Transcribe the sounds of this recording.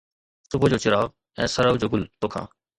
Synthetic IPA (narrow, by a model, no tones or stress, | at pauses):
sʊbəd͡ʑoːt͡ʃɪɾaːɣ | ɛ̰̃ːsəɾəʋd͡ʑoːɡʊlt̪oːkʰã̰ː